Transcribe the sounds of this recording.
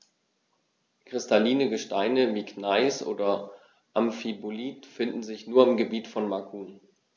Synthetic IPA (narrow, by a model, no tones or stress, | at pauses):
kʁ̥ɪstaliːnəɡəʃtaɪnəviːkʰnaɪsʔo̰ːdɐ | ʔamfiboliːtfɪndn̩zɪçnuːɐɪmɡəbiːtfɔnmakʰuːn